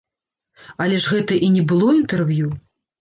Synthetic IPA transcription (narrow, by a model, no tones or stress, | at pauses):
ɐlʲɛʐɣɛt̪ɐʔinʲɛbɨlˠɔint̪ɛrvju